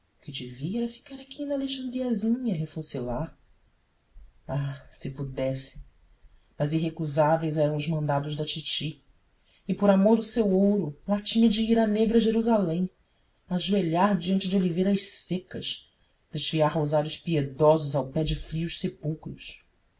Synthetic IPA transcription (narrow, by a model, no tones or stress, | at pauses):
kɪd͡ʒɪviɛɾɐfi̥kaɾakʰinɐleʃɐ̃nd̪ɾiɐzĩɲɐɦefosɪla | asɪpud̪ɛsɪ̥ | mɐziɦekuzavejzɛɾɐ̃w̃ʊzmɐ̃nd̪ad̪ʊʒd̪ɐt͡ʃit͡ʃi | ɪpoɾamoɾd̪ʊsewowɾʊlat͡ʃĩɲɐd͡ʒɪiɾɐneɡɾɐʒeɾuzalẽj̃ | aʒueʎaɾd͡ʒiɐ̃nt͡ʃɪd͡ʒɪolivejɾɐʃsekɐʃ | d̪̥eʃviaɾhozaɾjʊʃpied̪ɔzʊzawpɛd͡ʒɪfɾiʊʃsepuwkɾʊʃ